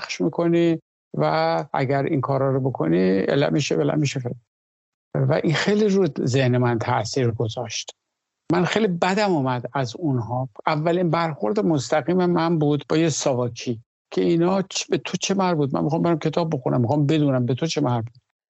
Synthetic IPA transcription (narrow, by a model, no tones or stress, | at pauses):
xʃmiːkʰo̞ni | vææ̰ɡæɾḭnkʰɒːɾɒːɾobokʰo̞̰niḛlæ̰miʃebelæ̰miʃefe | væ̰ʔixejliɾudzehnemænt̪ʰæʔsiːɾɡo̞zɒʃt̪ | mænxejlibæd̪æmumæd̪æzunɦɒːʔævːælinbæɾxo̞ɾd̪emost̪æɣiːmemæmbuːd̪bɒːjesɒːvɒːkʰiː | kʰeinɒːt͡ʃbet̪ʰot͡ʃʰemæɾbuːd̪̚mæ̰nmixɒːmbeɾæmkcʰe̞t̪ʰɒːb̚ːo̞xunʔæ̰mːixɒːmbe̞d̪uːnæmbet̪ʰo̞t͡ʃʰe̞mæɾbuːd̪